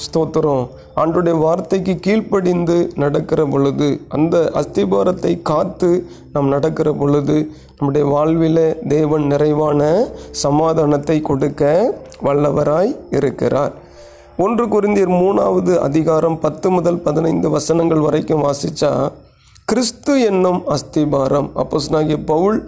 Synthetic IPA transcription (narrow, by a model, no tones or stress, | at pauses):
st̪oːt̪ːɯɾõː | aːɳdrɯɽɐjɐʋaːɾt̪ɐɪkːɯkiːɭpɐɽɪnd̪ɯnɐɽɐkːɪrɐpɔɻɯðɯʔɐnd̪ɐʔɐst̪ɪbaːɾɐt̪ːɐɪkaːt̪ːɯ | naːmnɐɽɐkːɪrɐpɔɻɯðɯ | nɐmːɯɽɐjɐʋaːɭʋɪlɐd̪eːʋɐnnɪɾɐɪʋaːnɐsɐmaːðaːnɐt̪ːɐɪkɔɽɯkːɐʋɐɭːɐʋɐɾaːjɪɾɯkːɪ̰ra̰ːɾ | ɔndrɯkʊɾɪnd̪ijɐɾmuːnaːʋɐðɯʔɐ̰ðɪɣaːɾɐmpɐt̪ːɯmʊðɐlpɐðɪnɐɪnd̪ɯʋɐsɐnɐŋɡɐɭʋɐrɐɪkːɯmʋaːsɪt͡ʃːa̰ː | kɪɾɪst̪ɯɛnːɯmɐst̪ɪbaːɾɐmɐ̰pːoːsnaːɣiɐpɐʋɯɭ